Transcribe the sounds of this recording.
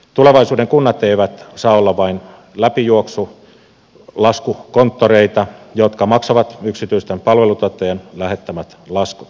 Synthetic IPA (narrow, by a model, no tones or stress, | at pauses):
t̪uleʋɑisuːdeŋkunːɑt̪eiʋæt̪sɑːolːɑʋɑin | læpijuoksu | lɑskukont̪ːoreit̪ɑjot̪kɑmɑksɑʋɑt̪yksit̪yist̪empɑlʋelut̪uot̪ːˑɑjɑnlæhet̪ːæmæt̪lɑsku̥t̪